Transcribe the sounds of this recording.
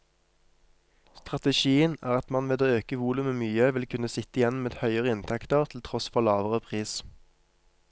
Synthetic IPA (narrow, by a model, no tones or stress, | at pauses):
st̪ʁɑt̪əʃiːənæ̰ːʁɑt̪mɑnʋeːd̪oːøːkəʋuːlʉməmyːəʋɪlkʰʉnəsɪt̪əɪjɛnmeːd̪hœʏəʁəɪnt̪ʰɛkt̪əʁt̪ʰl̩t̪ʰʁɔsfɔʁlɑːʋəʁəpʰʁiːs